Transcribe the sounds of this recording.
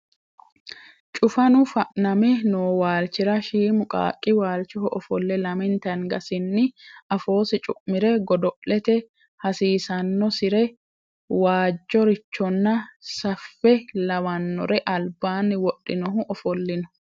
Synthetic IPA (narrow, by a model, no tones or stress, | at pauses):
t͡ʃʼʊfɐnʊfɐʔnɐmɛnoːwaːlt͡ʃɪɾɐʃiːmʊkʼa̰ːkʼːɪwaːlt͡ʃɔhʊʔɔfɔlːɛlɐmɪnt̪ɐnɡɐsɪnːɪɐfo̞ːsɪt͡ʃʼʊʔmɪɾɛɡɔd̪ɔʔɛt̪ɛ | hɐsiːsɐnːɔsɪɾɛ | waːd͡ʒːɔɾɪt͡ʃːɔnːɐsɐfːɛlɐmɐnːɔɾɛʔɐlbaːnːɪwɔɗːɪnɔɦʊʔɔfɔlːɪnʊ̥